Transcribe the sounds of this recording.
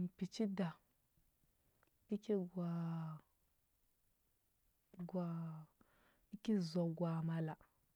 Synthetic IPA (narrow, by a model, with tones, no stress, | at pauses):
pi˨t͡ʃi˦da˨ | i˦ki˦ɡa˨ | ɡa˨ | i˦ki˦zo˨ɡwa˨ma˨la˨